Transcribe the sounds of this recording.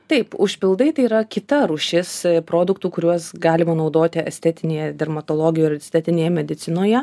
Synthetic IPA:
t̪ɐɪpʊʃʲpʲɪlˠd̪ɐɪt̪ɐɪiɾɐkʲɪt̪ɐɾuʃʲɪspɾoːd̪ʊkt̪uːkʊɾʲuɔsɡɑːlʲɪmɐnɐʊd̪oːt̪ʲɪɛsʲt̪ʲɛt̪ʲɪnʲeːjɛd̪ʲɛrmɐt̪oːlˠoːɡʲɪjuːɪɾʲɛsʲtʲɛt̪ʲɪnʲeːjɛmʲɛd̪ʲɪt̪t͡s̪ʲɪnoːjɛ

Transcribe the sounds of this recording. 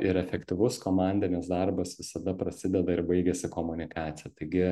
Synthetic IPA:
ɪɾɛfʲɛkt̪ʲɪʋʊskoːmɑˑnʲd̪ʲɪnʲɪsd̪ɐrbɐsʋʲɪsɐd̪ɐpɾɐsʲɪd̪ʲɛd̪ɐɪɾbɐɪɡʲɛsʲɪkoːmʊnʲɪkɑːt̪sʲɪjɛt̪ɐɪɡʲɪ

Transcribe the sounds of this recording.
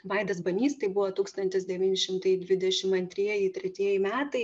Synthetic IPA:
ʋɐɪd̪ɐs̬bɐnʲiːst̪ɐɪbuʋot̪uːkst̪ɐnʲt̪ʲɪsd̪ʲɛʋʲiːnʲɪʃʲɪmt̪ɐɪd̪ʲʋʲɪd̪ʲɛʃʲɪmɐnʲt̪ʲɾʲiɛjɪt̪ʲɾʲɛt̪ʲiɛjɪmʲæːt̪ɐɪ

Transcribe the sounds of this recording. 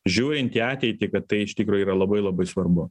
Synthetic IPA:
ʒʲuːɾʲɪnt̪ʲiːɑːt̪ʲɛɪt̪ʲɪkɐt̪tːɐɪɪʃt̪ʲikɾuːjʊiːɾɐlˠɐbɐɪlˠɐbɐɪsʋɐɾbʊ

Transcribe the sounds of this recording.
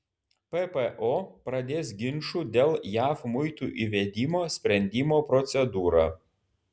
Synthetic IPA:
pɛpɛʔoːpɾɐd̪ʲeːsɡʲɪnʃuːd̪ʲeːlˠjæːfmʊɪt̪uːʔiʋʲed̪ʲiːmoːsʲpʲɾʲɛnʲd̪ʲiːmoːpɾɔt̪sʲɛd̪uːɾaː

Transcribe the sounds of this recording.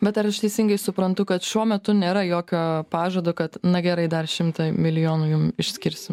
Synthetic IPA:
bʲɛt̪ɐɾɐʃt̪ʲɛɪsʲɪŋɡɐɪsʊpɾɐnt̪ʊkɐt̪ʃʲuɔmʲɛt̪ʊnʲeːɾɐjoːkʲoːpɑːʒoːd̪oːkɐt̪nɐɡʲɛɾɐɪd̪ɐrʃʲɪmt̪ɐmʲɪlʲɪjoːnuːjʊmɪʃʲsʲkʲɪɾʲsʲɪm

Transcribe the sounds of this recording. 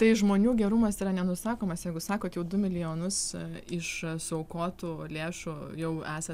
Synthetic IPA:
t̪ɐɪʒmoːnʲuːɡʲɛɾʊmɐsiːɾɐnʲɛnʊsɑːkoːmɐsjɛɪɡʊsɑːkoːt̪jɛʊd̪ʊmʲɪlʲɪjoːnʊsɪʃsʊɐʊkoːt̪uːlʲeːʃujɛʊæːsɐ

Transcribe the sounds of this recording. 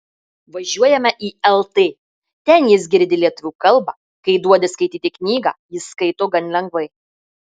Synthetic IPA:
ʋɐʒʲuɔjɛmʲɛʔiːɛlˠt̪eː | t̪ʲɛnjɪsɡʲɪɾʲd̪ʲɪlʲiɛt̪ʊʋʲuːkɐlˠbɑː | kɐɪd̪uɔd̪ʲɪskɐɪt̪ʲiːt̪ʲɪknʲiːɡɑ̰ːjɪskɐɪt̪oːɡɐnʲlʲɛŋɡʋɐɪ

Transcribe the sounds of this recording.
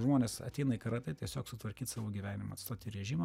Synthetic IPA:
ʒmoːnʲeːssɐ̰t̪ʲɛɪnɐɪkɐɾɑt̪ɐɪt̪ʲiɛsʲoːksʊt̪ʋɐɾʲkʲiːt̪sɑːʋoːɡʲiːʋʲæːnʲɪmɐ̰ːt̪st̪oːt̪ʲɪɾʲɛʒʲiːmɐ

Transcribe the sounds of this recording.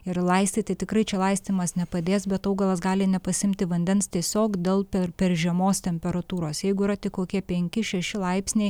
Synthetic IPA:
ɪrlˠɐɪsʲt̪ʲɪt̪ɐt̪ʲɪkɾɐɪt͡ʃʲɛlˠɐɪsʲt̪ʲɪmɐsnʲɛpɐd̪ʲeːsbʲɛt̪ɐʊɡɐlˠɐsɡɑːlʲɪnʲɛpɐsʲɪmʲt̪ʲɪʋɐnʲd̪ʲɛnst̪ʲiɛsʲoːkd̪ʲeːlˠpʲɛrpʲɛɾʒʲiɛmoːst̪ʲɛmʲpʲɛɾɐt̪uːɾoːsjɛɪɡʊiːɾɐt̪ʲɪkkoːkʲiɛpʲɛŋʲkʲɪʃʲɛʃʲɪlˠɐɪpʲsʲnʲɛɪ

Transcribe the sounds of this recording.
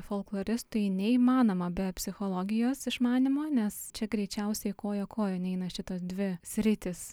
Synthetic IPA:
folˠklˠoːɾʲɪst̪ʊjnʲɛiːmɑːnoːmɐbʲɛpʲsʲɪxoːlˠoːɡʲɪjoːsɪʃmɑːnʲɪmoːnʲɛst͡ʃʲɛɡɾʲɛɪt͡ʃʲɛʊsʲɛɪkoːjoːkoːjoːnʲɛɪnɐʃʲɪt̪oːsd̪ʲʋʲɪsʲɾʲɪt̪ʲɪs

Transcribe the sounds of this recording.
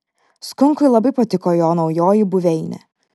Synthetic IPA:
skʊŋkʊɪlˠɐbɐɪpɐt̪ʲɪkoːjoːnɒʊjoːjibʊʋʲɛɪnʲɛ̰

